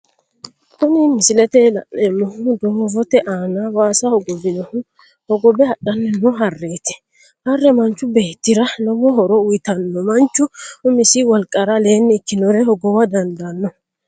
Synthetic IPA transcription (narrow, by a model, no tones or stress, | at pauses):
kʊnɪmɪsɪlɛt̪ɛlɐ̰ʔɛmːɔhʊd̪ɔmɔvɔt̪ɛʔaːnawaːsɐhɔɡɔbɪnɔhʊ | hɔɡɔbɛɐɗɐnːɛnɔɦɐrːeːt̪ɛ̥ | hɐrːɛmɐnt͡ʃːʊbeːt̪ːɪɾɐnɔwɔɦɔɾɔʊjt̪ɐnːɔmɐnt͡ʃːʊʊmɪsiwɐlkʼːɐɾɐle̞ːnːɪːkːɪnɔɾɛhɔɡɔwɐd̪ɐnd̪ɐnːɔ